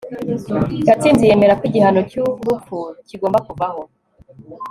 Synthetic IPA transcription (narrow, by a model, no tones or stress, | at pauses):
katinzije̞me̞ɾakwiɟihanocuvbufuciɡoːmbakuvaŋo